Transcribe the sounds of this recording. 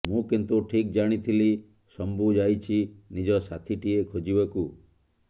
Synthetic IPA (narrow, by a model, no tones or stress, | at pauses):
mũkint̪uʈʰik̚d͡ʒaɽ̃it̪ʰili | sɔmbud͡ʒajt͡ʃʰinid͡ʒɔsat̪ʰiʈiekʰod͡ʒiβaku